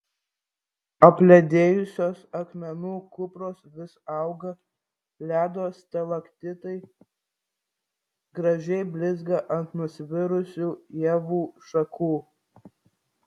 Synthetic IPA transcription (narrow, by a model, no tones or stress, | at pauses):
ɐpʲlʲɛd̪ʲeːjʊsʲoːsɐkmʲɛnuːkʊpɾoːsʋʲɪsɑʊɡɐ | lʲæːd̪oːst̪ʲɛlˠɐkt̪ʲɪt̪ɐɪ | ɡɾɐʒʲɛɪbʲlʲɪzɡɐʔɐnt̪nʊsʲʋʲɪɾʊsʲuːjɛːʋuːʃɐkʰuː